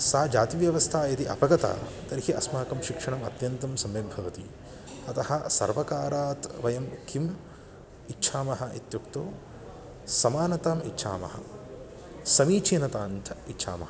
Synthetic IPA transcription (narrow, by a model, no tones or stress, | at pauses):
saːd͡ʒaːt̪iʋjɐʋɐst̪ʰaːjɐt̪iʔɐpɐɡɐt̪a̰ːt̪ɐɾhiʔɐsmaːkɐmʃikʂɐɳɐmɐt̪jɐnt̪ɐmsɐmjɐmbʱɐʋɐt̪ḭ | ɐt̪ɐhɐ̆sɐ̰ɾʋɐkaːɾaːt̪ʋɐjɐmkʰim | itːʃʰaːmɐɦɐʔit̪jukt̪oː | sɐmaːnɐt̪aːmitːʃʰa̰ːmɐ̰hɐ̰ | sɐmiːt͡ʃiːnɐt̪aːnt̪ʰɐitːʃʰa̰ːmɐ̰hɐ